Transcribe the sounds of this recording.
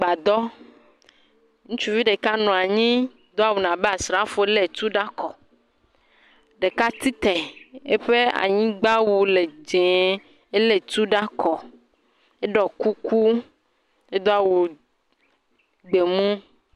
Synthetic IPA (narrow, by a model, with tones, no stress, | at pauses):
ɡ͡ba˨d̪ɔ˦ | ŋũ˦t͡ʃu˦vi˦ɖe˨ka˦nɔ̃˨a˨ɲĩ˦ | d̪ɔ˦a˦˨wu˨nã˨bɛ˦a˨sɾa˨˦fo˨˦le˦˨t̪u˦ɖa˦kɔ˨ | ɖe˨ka˦t̪i˦t̪ɛ˨e˦ɸe˦a̰˨ɲĩ˦ɡ͡ba˦wu˨le˨d͡ʒẽ˨ | e˦le˦t̪u˦ɖa˦kɔ˨ | e˦ɖɔ˨ku˦ku˦ | e˦d̪ɔ˦a˨wu˨ | ɡ͡be˨mũ˦